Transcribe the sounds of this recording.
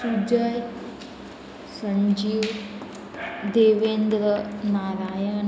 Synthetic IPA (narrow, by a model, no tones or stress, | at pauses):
sud͡ʒəj | sɐɲd͡ʒiːw | d̪eːʋeːnd̪ɾənaːɾaːjən